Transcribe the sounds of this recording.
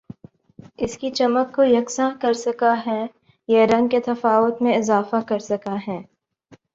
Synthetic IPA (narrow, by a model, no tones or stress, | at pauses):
ɪskit͡ʃɐməkːojɐksãkɐɾsɐkaɦɛ | jeɾɐ̃ŋɡ̚ket̪ɐfaːʋʊt̪mẽɪzaːfakɐɾsɐkaɦɛː